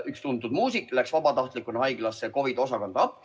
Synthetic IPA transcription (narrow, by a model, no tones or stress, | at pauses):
ykst̪unt̪ud̪muːsikˑlæksvɑbɑt̪ɑht̪ˑlikːˑunehɑjɡlɑsːeko̞vid̪̥o̞sɑkond̪ɑɑpːˑ